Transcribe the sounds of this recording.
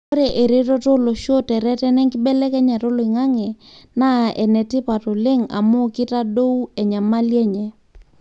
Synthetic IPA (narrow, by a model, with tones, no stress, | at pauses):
o˦ɾe˨ʔe˨ɾe˦tɔ˦to˦lo˨ʃo˦tɛ˨ɾɛ˦tɛ˦nɛ˦ŋkɪ˦bɛ˦lɛ˦kɛ˦ɲa˨to˦lo˨ɪ˨ŋa˦ŋɛ˨ | na˦ɛ˨nɛ˨tɪ˦pa˨to˨lɪ˦ŋa̰˨mo˦kɪ˦ta˦do˦u˦ɛ˨ɲa˨ma˦lje˦ɲɛ˨